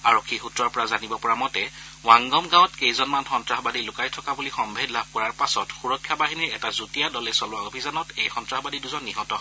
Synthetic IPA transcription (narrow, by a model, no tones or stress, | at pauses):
aɹɔkʰːixutɹɔɹpɔɹazanibɔpɔɹamɔtɛ | waŋɡɔmɡãwɔtkejzɔnmanxɔntɹahɔbadilʊkajtʰɔkabulixɔmbʱedlab̚ʱkɔɹaɹpasɔtxuɹɔkʰːjabaɦiniɹɛtazutijadɔlɛsɔlʊwaobʱizanɔtejxɔntɹaxɔbadiduzɔnːiɦɔtɔ